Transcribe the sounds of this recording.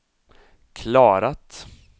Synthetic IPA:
kʰlɑːɾat̪

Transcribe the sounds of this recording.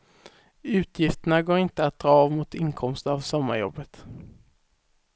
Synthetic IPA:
ʉ̟ːt̪ʰjɪft̪əɳaɡoːɾɪnt̪əat̪̚d̪̥ɾɑːvmʊt̪ɪnkʰɔmst̪əavsɔmːaɾjɔ̰bːət̪

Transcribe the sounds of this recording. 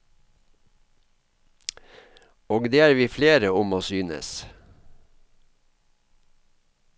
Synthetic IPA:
oːɡd̪eːæːɾʋiːfleːɾəʊmoːsyːnə̰s

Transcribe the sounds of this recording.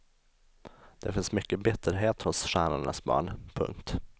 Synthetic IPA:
d̪̥ɛfɪnsmʏkːəbɪt̪ʰːəɾɦeːt̪hʊsɧæːɳaɳa̰sbɑ̰ːɳpʰɵ̰ŋk̚t̪

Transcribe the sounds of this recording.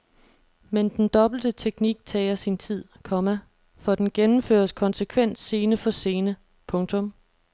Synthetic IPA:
mend̥end̥ɒ̽b̥l̩d̥ət͡sʰeɡ̥niɡ̥̚t͡sʰɛːɪɐsint͡sʰið̰ˠkʰɒ̽mæ | fɒd̥enɡ̥enm̩fø̰ːɐskʰɒ̽nsəkʰʋen̰d̥se̝ːnəfɒ̽se̝ːnə | pʰɔ̽ŋt͡sʰɔ̽m

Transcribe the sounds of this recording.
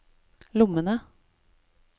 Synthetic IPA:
lʊmənə

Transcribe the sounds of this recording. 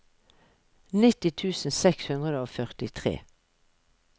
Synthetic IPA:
nɪt̪ɪt̪ʰʉːsn̩sɛkshʉnd̪ʁəd̪əoːfœʁt̪ɪt̪ʰʁḛː

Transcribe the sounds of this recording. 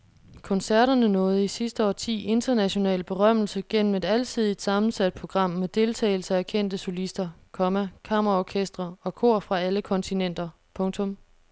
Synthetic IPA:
kʰɒ̽nsæɐɾɐnənɔ̽ːð̞̩ˠisisd̥əɒ̰ːt͡sʰḭːe̝nd̥ɐnæɕo̝nɛ̰ːlb̥e̝ʁɶm̰l̩səɡ̥en̰m̩e̝d̥ælt͡sʰið̞ˠid̥sɑ̈mn̩sæd̥̚pʰʁo̝ɡ̥ʁɑ̈m̰med̥e̝lt͡sʰɛ̰ːɪl̩səækʰen̰d̥əso̝lisd̥ɐkʰɒ̽mækʰɑ̈mɐʁɑɒkʰesd̥ʁɐɒ̽kʰo̝̰ɐ̰fʁɑ̈æləkʰɒ̽nt͡sʰinen̰d̥ɐ | pʰɔ̽ŋt͡sʰɔ̽m

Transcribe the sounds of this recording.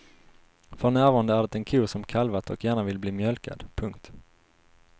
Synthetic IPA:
fɔnæːɾvɑːɾand̪əæɖɛt̪ɛnkʰuːʂɔmkʰalvat̪ɔ̰kjæːɳavɪlbliːmjœlka̰d̪pʰɵŋkt̪

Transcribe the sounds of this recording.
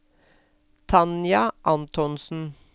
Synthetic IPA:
t̪ʰɑnjɑʔɑnt̪ʰɔnsn̩

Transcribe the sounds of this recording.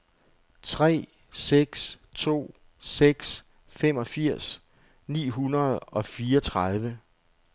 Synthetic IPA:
t͡sʰʁɛ̰ː | seɡ̥s | t͡sʰo̝̰ː | seɡ̥s | fem̰ɒ̽fiɐ̰s | nḭːɦunɐð̞̩ˠɒ̽fiːɒ̽t͡sʰʁɑð̞ˠʋə

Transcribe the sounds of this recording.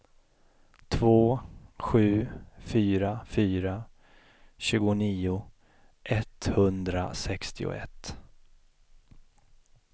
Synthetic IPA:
t̪ʰvoːɧʉ̟ːfyːɾafyːɾa | ɕʉ̟ːɡʊniːʊ | ʔɛt̪hɵnd̪ɾa̰sɛkst̪ɪʊ̰ɛ̰t̪ː

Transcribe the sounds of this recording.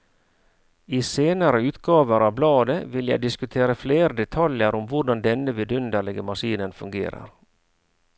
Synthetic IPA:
iːseːnəɾəʉːt̪ɡɑːʋəɾɑːʋblɑːd̪əʋɪljæ̰ɪd̪ɪskʉt̪ʰeːɾəfleːɾəd̪ɛt̪ʰɑljəɾɔmʋʊɖɑnd̪ɛnəʋɪd̪ʉnd̪əlɛɡəmɑʂiːnənfʉŋɡḛːɾə̰ɾ

